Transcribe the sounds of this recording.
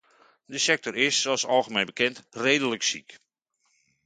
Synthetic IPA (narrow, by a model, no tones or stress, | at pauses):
dəsɛk̚tɔɾɪsːoɔsɑlˠɣəmenbəkɪntreːdələksḭk